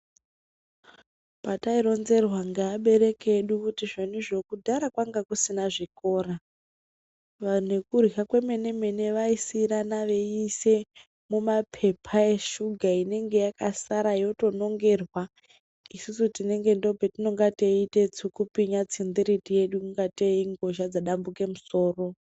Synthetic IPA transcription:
pataiɾo̞nze̞rwaŋɡaːɓe̞ɾe̞keɗukutiʐenuʐo̞kudʱaɾakwaŋɡakusinaʐiko̞ːɾa | ʋane̞kurɦakwe̞me̞ne̞me̞ne̞ʋaisiɾanaʋe̞ise̞ | mumapʰe̞pʰaeʃuɡʱaine̞ŋɡe̞jakasaɾajo̞to̞no̞ŋɡe̞rwa | isusutine̞ŋɡe̞ndo̞petino̞ŋɡateitet͡sukupiɲat͡sind̪iɾitije̞ɗukuŋɡateiŋɡo̞ʒad͡zaɗambuke̞muso̞ːro̞

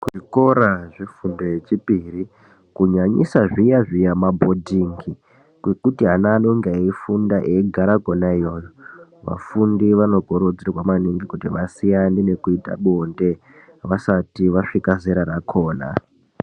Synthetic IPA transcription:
kuʐiko̞ɾaʐifundo̞jet͡ʃipiri | kuɲaɲḭsaʐijaʐijamabʱo̞dʱiŋɡi | kwekutiɦanaːnoŋɡeifundaʔeɡʱaɾaɡʱonaijoːjoʋa̰fundiʋano̞ɡʱo̞ɾod͡zirwamaniŋɡikutiʋasijandine̞kuita̰ɓonde̞ | ʋasatiʋaʂikazeɾaɾakʰoːna̰

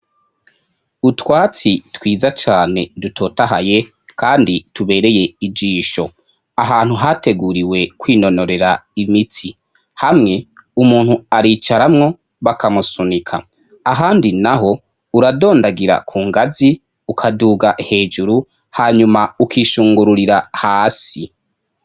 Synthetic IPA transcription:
utwaːt͡sitwiːzat͡ʃaːne̞dutʰo̞ːtaɦa̰je̞ | kaːndituβe̞ːɾe̞je̞id͡ʒiːʃo̞ | aɦaːn̥huɦate̞ɡuɾiwe̞kwiːno̞no̞ɾe̞ɾaimitʰi | hamŋe̞umuːn̥huaɾiːt͡ʃaɾamŋo̞ | βakʰamusunikʰa | aɦaːndinaɦo̞ | uɾado̞ːndaɡiɾa̰kʰuːŋɡazi | ukʰaduːɡaʔhe̞ːd͡ʒuɾu | haːɲumaukʰiːʃuːŋɡuɾuɾiɾahaːsi

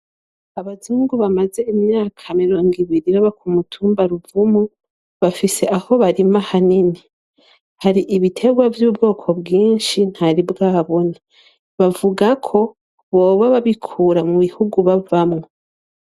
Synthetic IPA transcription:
aβaziːŋɡuβamaze̞imɲaːkʰamiɾo̞ːŋɡiβiɾiβaβakumutʰuːmbaɾuvumu | βafise̞aho̞βaɾimahanini | haɾiʔiβitʰe̞ɡwavjubɡo̞ːkʰo̞bɡiːnʃin̥haɾibɡaːβo̞na | βavuɡakʰo̞ | βo̞ːβaβaβikʰuːɾamuβihuɡuβavamŋe

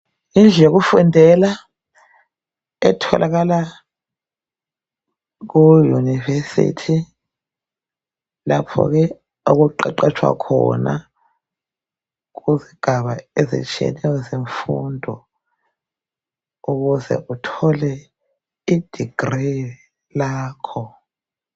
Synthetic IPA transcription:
ind͡ɮʱɛk̬ufundʱɛla | ɛtʰɔlʔak̬ala | k̬ujunivesḭtʰi | lapʰɔ̰k̬ɛ | ok̬uǃɛǃɛt͡ʃʰwa̰kʰɔ̰na | k̬uziɡ̥ʱaβaezḭt͡ʃʰʼiɛ̰nɛwɔzeɱfundʱɔ | uk̬uzɛ̰ʔutʰɔlɛ | id̥ʱiɡ̥ri | laːkʰɔ

